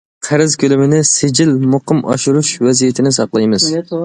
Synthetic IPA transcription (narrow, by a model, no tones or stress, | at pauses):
qʰæɾɪzkʲølɪmɪnɪsɪd͡ʒɪlmʊqɨmʔɑ̰ʃuɾuʃvɛzijet̪ʰɪnɪsɑqlˠɑjmɨz